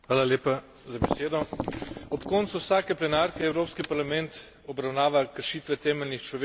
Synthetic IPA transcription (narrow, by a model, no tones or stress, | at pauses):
xʋaːlaleːpa | zabɛseːd̪ɔ | ɔpkɔːnt̪suwsaːkɛplɛnaːɾkɛːwɾoːpskipaɾlamɛ̃nt̪ | ɔbɾawnaːʋakəɾʃiːt̪ʋɛt̪ɛːmɛlnixt͡ʃlɔʋe